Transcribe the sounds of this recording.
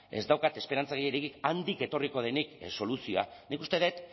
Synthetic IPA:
e̞zd̪awkat̪e̞spe̞ɾant͡saɣejeɾekikand̪ike̞t̪o̞riko̞ð̞e̞nikso̞lusio̞a̰nikust̪e̞ðe̞t̪

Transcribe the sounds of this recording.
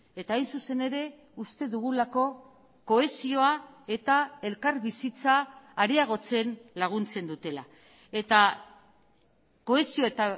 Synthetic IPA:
e̞t̪aːjnsuse̞ne̞ɾe̞ | ust̪e̞ðuɣulako̞ | ko̞e̞sio̞a | e̞t̪ae̞lkaɾβisit͡saːɾeaɣ̞o̞t͡se̞nlaɣ̞unt͡se̞nd̪ut̪e̞la̰ | e̞t̪a | ko̞e̞sioet̪a

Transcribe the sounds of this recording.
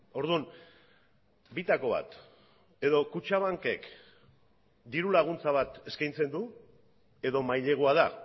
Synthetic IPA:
o̞ɾðun | bit̪ako̞β̞a̰t̪ | e̞ðo̞kut͡ʃaβ̞aŋke̞k | d̪iɾulaɣunt͡saβ̞at̪e̞skajnt͡se̞nd̪u | e̞ðo̞majʎe̞ɣ̞oað̞a

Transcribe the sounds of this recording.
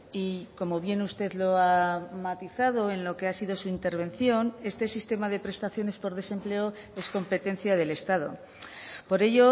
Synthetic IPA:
iko̞mo̞βje̞nust̪e̞ðlo̞amat̪iθað̞o̞e̞nlo̞ke̞asiðo̞suint̪e̞ɾβ̞e̞nθjo̞ne̞st̪e̞sist̪e̞maðe̞pɾe̞st̪aθjo̞ne̞spo̞ɾð̞e̞se̞mple̞o | e̞sko̞mpe̞t̪ẽ̞n̟θjað̞e̞le̞st̪aðo̞̰ | po̞ɾe̞ʝo̞

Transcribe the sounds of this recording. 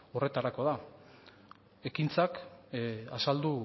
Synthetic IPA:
o̞re̞t̪aɾako̞ð̞a | e̞kint͡sak | asald̪u

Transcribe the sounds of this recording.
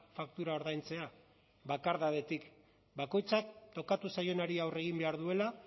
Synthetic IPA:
fakt̪uɾao̞ɾðajnt͡se̞a | βakaɾðaðe̞t̪ik | bako̞jt͡sak̚t̪o̞kat̪usajo̞naɾiawre̞ɣimbe̞aɾðue̞la

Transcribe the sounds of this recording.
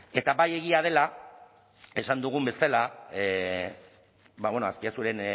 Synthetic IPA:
e̞t̪aβaje̞ɣ̞iaðe̞la | e̞sand̪uɣ̞umbe̞salae | baβe̞noaskiasuɾe̞n

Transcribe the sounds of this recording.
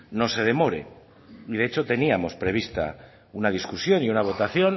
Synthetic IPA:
no̞se̞ð̞e̞mo̞ɾe̞̰ | iðe̞et͡ʃo̞t̪e̞niamo̞spɾe̞β̞ist̪a̰ | unað̞iskusjo̞niunaβ̞o̞t̪aθjo̞n

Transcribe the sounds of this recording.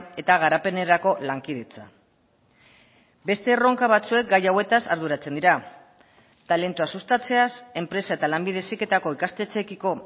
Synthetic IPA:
e̞t̪aɣ̞aɾape̞ne̞ɾako̞laŋkið̞e̞t͡sa̰ | be̞st̪e̞ro̞ŋkaβ̞at͡sue̞k̚ɡajawe̞t̪asaɾðuɾat͡se̞nd̪iɾa | t̪ale̞nt̪uasust̪at͡se̞ase̞mpɾe̞sae̞t̪alambið̞e̞sike̞t̪ako̞ikast̪e̞t͡se̞kiko̞

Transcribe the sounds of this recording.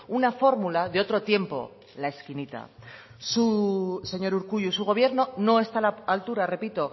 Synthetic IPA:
unafo̞ɾmulaðeo̞t̪ɾo̞t̪je̞mpo̞̰ | lae̞skinit̪a̰ | suse̞ɲo̞ɾuɾkuʎusuɣ̞o̞β̞je̞ɾno̞no̞e̞st̪alaalt̪uɾare̞pit̪o̞

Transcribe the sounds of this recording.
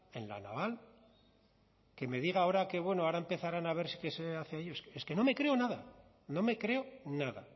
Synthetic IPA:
e̞nla̰na̰βal | ke̞me̞ðiɣ̞aao̞ɾake̞βwe̞noaɾaempe̞θaɾanaβ̞e̞ɾsi̥ke̞seaθeaeʎoeskeske̞no̞me̞kɾe̞o̞naða | no̞me̞kɾe̞onaða

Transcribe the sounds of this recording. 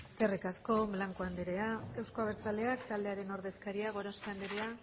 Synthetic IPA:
eske̞rikasko̞βlaŋkoand̪eɾeae̞wsko̞aβeɾt͡sald̪e̞akt̪ald̪e̞aɾe̞no̞ɾðe̞skaɾiaɣ̞o̞ɾost̪and̪eɾe̞a

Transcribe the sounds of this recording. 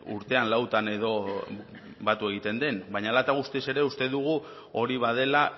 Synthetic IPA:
ṵɾt̪e̞anlawt̪ane̞ðo̞ | bat̪ue̞ɣ̞it̪e̞nd̪e̞nbaɲalat̪aɣ̞ust̪ise̞ɾe̞ust̪eðuɣ̞u | o̞ɾiβ̞að̞e̞la

